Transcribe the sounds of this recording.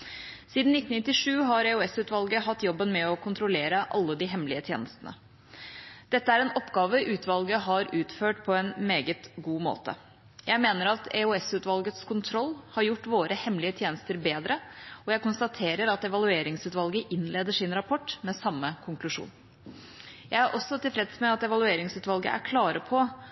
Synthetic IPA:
siːd̪n̩ɪt̪ːn̩nɪt̪ːɪʂʉːɦɑɾɛuɛsʉːt̪ʋɑlɡəɦɑt̪ːjɔbːənmɛɔkʰʊnt̪ʰɾʊleːɾəʔɑlːəd̪ɪɦɛmlɪət̪ʰjḛːnəst̪ənə̰ | d̪̥ɛt̪ːəæɾɛnɔpːɡɑːʋəʔʉːt̪ʋɑlɡəɦɑɾʔʉːt̪føːʈpʰɔɛnmeːɡət̪ɡuːmo̰ːt̪ə̰ | jæɪmeːnəɾɑt̪ɛ̰uɛsʉːt̪ʋɑlɡət̪skʰʊnt̪ʰɾɔlːhɑɾjʊʈːʋoːɾəhɛmlɪət̪ʰjeːnəst̪əɾbeːd̪ɾəɔjæɪkʊnst̪ɑt̪ʰeːɾəɾɑt̪ɛʋɑlʉeːɾɪŋsʉːt̪ʋɑlɡəʔɪnleːd̪əʂɪnɾɑpʰɔʈːmɛsɑmːəkʰʊŋklʉʂṵːn | jæɪæɾʔɔsːɔt̪ʰɪlfɾɛd̪smɛɑt̪ɛʋɑlʉeːɾɪŋsʉːt̪ʋɑlɡə̰ʔæ̰ɾkʰlɑːɾəpʰɔ

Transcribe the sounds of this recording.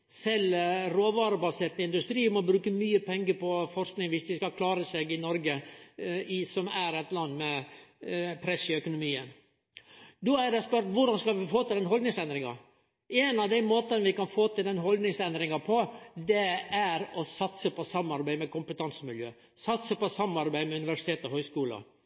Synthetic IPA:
sɛlɾoːʋɑːɾəbɑseːɾt̪əɪnd̪ʉst̪ɾiːmɔbɾʉːkəmyːəpʰɛŋɡəpɔfɔɾsknɪŋʋɪsd̪ɪskɑkʰlɑːɾəseɡɪnɔɾɡə | ɪsɔmæɾɛt̪lɑnːmɛ | pʰɾɛsɪœkʊnʊmiːən | d̪ɔæɾæspœɾʈ̪ʋʊɖɑnskɑlʋɪfoːt̪ɪld̪ɛnɦɔlnɪŋsɛnd̪ɾɪŋɑ̰ | ʔeːnɑd̪æɪmoːt̪ənəʋɪkɑnfoːt̪ɪld̪ɛnɦɔld̪nɪŋsɛnd̪ɾɪŋɑpʰɔd̪ɛæɾɔsɑt̪səpɔsɑmɑɾbæɪmɛkʊmpət̪ʰɑnsəmɪljø̰ː | sɑt̪səpɔsɑmːɑɾbæɪmɛʉnɪʋæʂɪt̪ʰeːt̪ɔɦhœʏskuːlə̰

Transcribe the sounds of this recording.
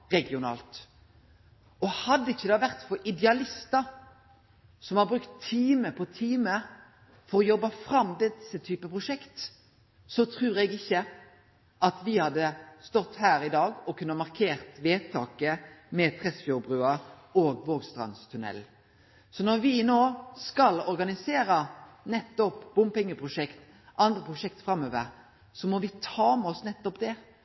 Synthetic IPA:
ɾɛɡɪʊnɑ̰ːlt̪ | ɔhɑd̪ːəɪçːəd̪ɑːʋæʁt̪fɔɾʔɪd̪ɛɑlɪst̪əɾ | sɔmhɑɾbɾʉkt̪ʰːiːməpʰɔt̪ʰiːmə | fɔɾɔjɔbːɑfɾɑmːd̪ɛsːət̪ʰyːpəpʰʁʊʂɛkt̪ | sɔt̪ʰɾʉːɾɛɡɪçːə | ʔɑt̪ʋɪhɑd̪ːəst̪ɔt̪ːhæːɾɪd̪ɑːɡɔkʉnːəmɑʁkʰeːɾt̪ʋeːt̪ʰɑːkəmɛt̪ʰɾɛsfjʊbɾʉəɾ | oːɡʋoːɡst̪ʁɑ̰nst̪ʰʉnɛ̰l | sɔnɔɾʋɪnoːskɑlɔɾɡɑnɪseːɾənɛt̪ːɔpbʊmpɛŋːəpʰɾʁʊʂɛkt̪ | ʔɑnd̪ɾəpʰʁʊʂɛkt̪fɾɑmːøːʋəɾ | sɔmɔʋɪt̪ʰɑːmɛɔsnɛt̪ːɔpd̪ɛ

